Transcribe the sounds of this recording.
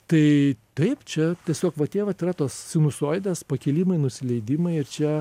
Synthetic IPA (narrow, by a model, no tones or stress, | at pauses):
t̪ɐɪt̪ɐɪpt͡ʃʲɛt̪ʲiɛsʲoːkʋɐt̪ʲeːʋɐt̪ɪɾɐt̪oːssʲɪnʊsoːjd̪ʲɛspɐkʲiːlʲiːmɐɪnʊsʲɪlʲɛɪd̪ʲiːmɐɪɪrt͡ʃʲɛ